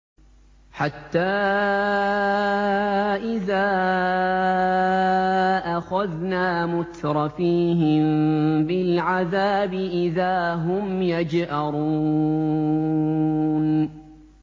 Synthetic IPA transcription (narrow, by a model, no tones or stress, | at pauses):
ħat̪ːaː | ʔɪðaː | ʔaxaðnaːmʊt̪ɾˤɑfiːɦɪmbɪlʕaðaːbɪʔɪðaːɦʊmjad͡ʒhaɾˤuː | n